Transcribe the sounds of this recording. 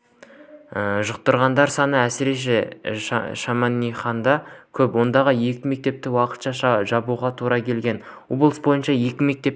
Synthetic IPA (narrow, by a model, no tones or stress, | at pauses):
əʒəq̚t̪əɾʁɑnd̪ɑɾsɑnəæsɪɾe̞ʃ̬e̞ | ʃɑmɑnːijχɑnd̪ɑkʲʰɵpwo̞nd̪ɑʁəje̞kʲɪme̞k̚t̪e̞p̚t̪ɪwɑqə̥t̪ʃɑʃʒɑbuʁɑt̪ʰuɾɑkʲʰe̞lɡʲe̞n | woblˠəsbo̞jənʃɑje̞kʲɪme̞k̚t̪e̞p